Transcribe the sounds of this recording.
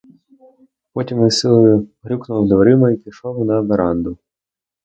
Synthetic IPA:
pɔtʲimɪsɪlˠjʊɦɾʲuknʊld̪ʋɐɾɪmɐipʲiʃɔwnɐbeɾɑnd̪ʊ

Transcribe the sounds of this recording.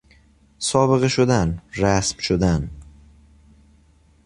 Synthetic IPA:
sɒbɨʁɨʃʊd̪anɾasmʃʊd̪an

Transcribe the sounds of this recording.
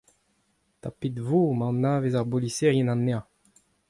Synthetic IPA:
t̪apit̪vumɑ̃nːaːvezaʁboliseʁjɛnãnːeã

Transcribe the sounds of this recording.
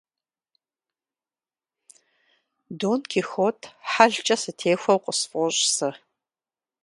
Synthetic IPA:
duːnkʰixotʼʰħaɮt͡ʃʼɐsɨtʰeːxʷɐwqʷʼəsfʼɔɕʼsɨ

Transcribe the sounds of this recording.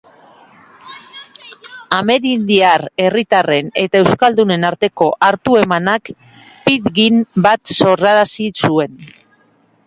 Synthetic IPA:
ame̞ɾind̪iare̞rit̪are̞ne̞t̪ae̞wskald̪une̞naɾt̪e̞ko̞ʔaɾt̪ue̞manak | piðɡinbat̪so̞raɾasisue̞n

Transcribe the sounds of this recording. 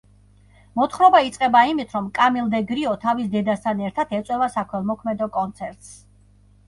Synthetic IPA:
mɔt̪χɾɔbait̪sʼqʼɛbaimit̪ʰɾɔmkʼamilˠd̪ɛɡɾiɔt̪ʰavisd̪ɛd̪ast̪ʰanɛɾt̪ʰat̪ʰɛt̪sʼwɛvasakʰwɛlˠmɔkʰmɛd̪ɔkʼɔnt̪sʰɛɾt̪ʼs

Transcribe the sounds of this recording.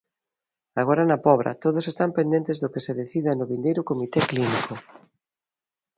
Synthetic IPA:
aɣ̞oɾanapɔβɾa̰t̪oðosest̪ampend̪ent̪ezðʊkeseðeθiðanoβind̪ejɾʊkomit̪ekliniko

